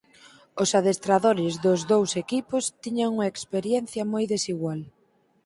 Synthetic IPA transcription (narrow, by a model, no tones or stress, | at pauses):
ʊsaðest̪ɾaðoɾɪzðʊzðowsekipʊst̪iɲɐŋuŋɐekspeɾjɛn̟θjɐmojðesiɣwal